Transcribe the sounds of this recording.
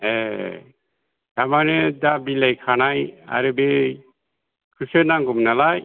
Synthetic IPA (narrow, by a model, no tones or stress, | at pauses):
e | tamanedabilajkʰanaja̰ɾɯbe | kʰɯsɯnaŋɡumnalaj